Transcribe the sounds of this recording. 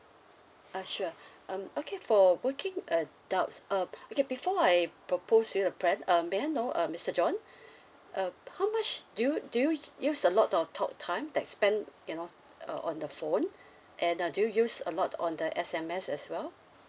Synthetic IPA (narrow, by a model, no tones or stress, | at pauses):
aʃuəʔʌ̃mokʰefɔwəkʰɪ̃ŋədaʊtsʔʌ̃mokebifɔaɪpʰɹopʰosjudəpʰɹɛ̃nʌmeaɪnoʔʌmɪstəd͡ʒɔ̃n | ʔʌhaʊmat͡ʃdujudujujusəlɔtɔtʰɔ̰k̚tʰãɪ̃mdɛt̚spɛ̃njuno | ʌ̰ʔɔ̰̃ndəfõn | ʔɛ̃nʌdujujusə̰lɔtʰɔ̰̃ndəʔɛsɛ̃mɛsɛswɛl